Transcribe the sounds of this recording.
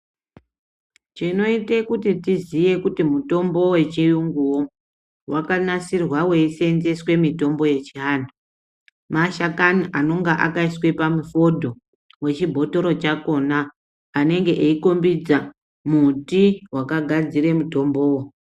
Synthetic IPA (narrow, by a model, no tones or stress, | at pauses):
t͡ʃino̞ite̞kutitizije̞kutimuto̞mbo̞we̞t͡ʃijuŋɡuwo̞ | wakanasirwawe̞isenze̞swe̞mito̞mbo̞je̞t͡ʃiɦaːndo | maʃakaniʔanoŋɡaʔakaiswe̞pamufo̞dʱo̞ | we̞t͡ʃibʱo̞to̞ɾo̞t͡ʃako̞naː | ne̞ŋɡe̞ʔeiko̞mbid͡za | mutiwakaɡʱad͡ziɾe̞muto̞mbo̞ːwo